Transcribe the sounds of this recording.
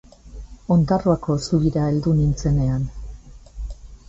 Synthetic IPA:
o̞nd̪aroako̞suβiɾae̞ld̪unint͡se̞ne̞an

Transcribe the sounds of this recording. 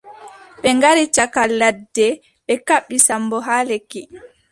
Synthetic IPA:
ɓɛŋɡaɾit͡ʃakalːadːɛ | ɓɛkaɓːisambɔɦaːleki

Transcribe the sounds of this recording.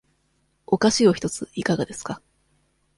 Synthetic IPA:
o̞kaɕio̞çi̥t̪o̞t͡sɨikaɡad̪e̞sɨ̥ka

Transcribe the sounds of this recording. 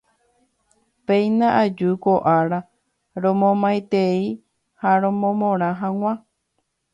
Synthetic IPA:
pẽjnãʔad͡ʒukoʔaɾa | ɾõmõmajt̪ei | haɾõ̞mõmõɾ̃ãɦãŋʷã

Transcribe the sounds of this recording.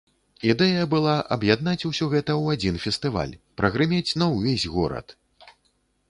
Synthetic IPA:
id̪ɛjɐbɨlˠaʔɐbjad̪nat͡sʲusʲɔɣɛt̪ɐwad͡zʲinfʲɛst̪ɨva̰lʲpɾɐɣɾɨmʲet͡sʲnɐwvʲezʲɣɔɾɐ̰t̪

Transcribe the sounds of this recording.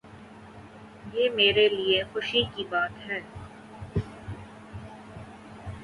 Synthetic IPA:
jeːmeːɾeliexʊʃikibaːt̪ɦɛː

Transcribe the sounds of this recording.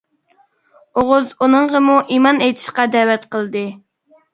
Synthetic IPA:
oʁʊzunɨɴʁəmuʔimɑnejt̪ʰɪ̥ʃqɑd̪ɛwɛt̪qʰəlˠd̪ɨ

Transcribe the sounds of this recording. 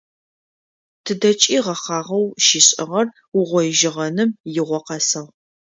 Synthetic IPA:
tʰɨdɐt͡ʃʼiːʁɐχɑːʁɐwʃiɕʼɪʁɐr | ʊʁʷɔjʒɪʁɐnɨmjɪʁʷɔqɐsɐʁ

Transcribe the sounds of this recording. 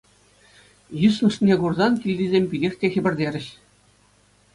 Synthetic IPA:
jusnɤ̆ʂnʲeɡurzɑnkʲilʲd̪ʲizʲemʲpʲidʲexʲkʲexʲɘ̆bʲɘ̆rʲdʲeɾʲɘ̆ɕ

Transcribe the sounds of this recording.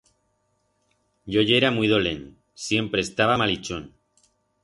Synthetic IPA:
ɟ͡ʝoʝeɾamuijðolḛn | sje̞mpɾeːst̪aβamalit͡ʃon

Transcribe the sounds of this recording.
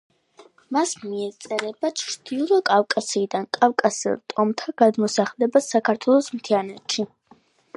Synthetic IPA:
masmiɛt̪sʼɛɾɛbat͡ʃʰɾd̪̥ilˠɔkʼafkʼasiːd̪ankʼafkʼasḭlˠt̪ʼɔmt̪ʰaɡ̥ad̪mɔsaχlɛbasakʰaɾt̪ʰwɛlˠɔsmt̪ʰianɛt̪ʃi

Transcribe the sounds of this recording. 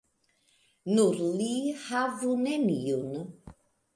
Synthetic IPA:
nuɾlihavunemiun

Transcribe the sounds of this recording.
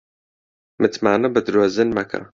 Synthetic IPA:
mɨt̪maːnɨbɨd̪ɾoːzɨnmɐkʰɐ̰

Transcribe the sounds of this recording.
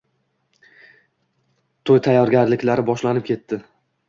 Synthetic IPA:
t̪ʰojt̪ʰajːɒɾɡʲaɾlɪkʲlaɾɪbɒʃlanɪp̚kʲʰe̞t̪ːɪ

